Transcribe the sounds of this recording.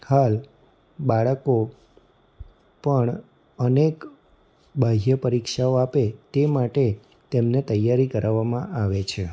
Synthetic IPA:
hal | baɭəko | pəɳ | ənek | bʱaɦjəpəɾikʃaoapet̪emaʈe | t̪emnet̪əjːaɾikəɾʔaʋːamãʔaʋet͡ʃʰe

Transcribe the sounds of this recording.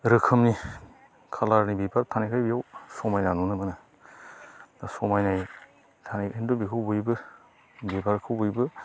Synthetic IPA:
ɾɯkʰɯmni | kʰalaɾnibipʰaɾtʰanajkʰajbijawsɔmajnanunɯbɯnɯ | dasɔmajnaj | tʰanajendobikʰɯwbujbɯ | bipʰaɾkʰɯwbujbɯ

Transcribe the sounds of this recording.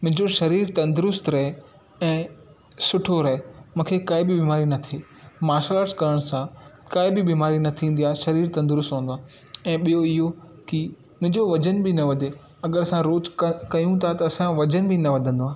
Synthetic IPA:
mʊ̃ɦɪ̃ɲd͡ʑoʃɐɾiːɾt̪ɐ̃nd̪ʊɾʊst̪ɾɐɦe | ɛ̃ː | sʊʈʰoɾɐɦemũːkʰekaːɪbɪbiːmaːɾinɐt̪ʰe | maːʃaːləskɐɾəɽ̃sãkaːɪbɪbiːmaːɾinɐt̪ʰĩːn̆d̪ijaːʃɐɾiːɾt̪ɐ̃nd̪ʊɾʊst̪ɦũːnd̪aː | ɛ̃ːɓijoɪɦo | ki | mʊ̃ɦɪ̃ɲd͡ʑoʋɐd͡ʑənbɪnɐʋɐd̪ʱe | ɐɡəɾɐsãɾoːt͡ʃkɐjũt̪ʰat̪ɐːsãʋɐd͡ʑənbʱinɐʋɐd̪ʱə̃nd̪oaː

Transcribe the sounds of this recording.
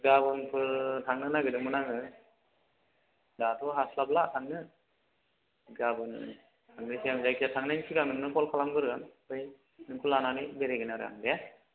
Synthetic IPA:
ɡabɯnpʰɯltʰaŋnɯnaɡɯdɯmɯnaŋɯ | datʰɔɦaslablatʰaŋnɯ | ɡabɯn | tʰaŋnɯsʰiamzajkʰiatʰaŋnajnkʰiɡaŋnɯŋnɯkʰɔlkʰalamɡɯɾɯanpɯj | nɯŋkʰulananibeɾeɡinaɾɯ̰a̰ŋdɛ

